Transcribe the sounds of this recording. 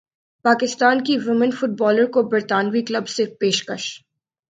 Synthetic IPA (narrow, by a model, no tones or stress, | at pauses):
paːkɪst̪aːnkiʋɪmə̃nfʊʈ̚bɔːləɾkobɐɾt̪aːnʋiklɐbsepeːʃkəʃ